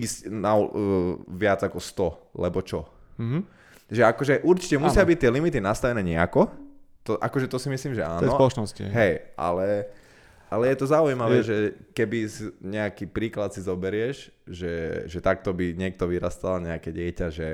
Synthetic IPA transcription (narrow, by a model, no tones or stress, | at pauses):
iscna | ʋɪad͡zakɔst̪ɔlɛbɔt͡ʃɔ | ʒɛakɔʒɛʔuɾt͡ʃi̥cɛmusɪabic̚t̪ːɪɛlimit̪inast̪aʋɛnɛːɲɛa̰kɔt̪ɔʔakɔʒɛt̪ɔsimisliːmʒɛaːnsɔpɔlɔnɔscḭɦɛjʔa̰lɛ | ʔalɛjɛt̪ɔzaujimaʋɛːʒɛkɛbisiɲɛakipɾiːklat̪sizɔbɛɾɪɛʒ | ʒɛʒɛt̪ak̚t̪ɔbiɲɪɛk̚t̪ɔʋiɾast̪alɲɛakɛɟɪɛcaʒɛ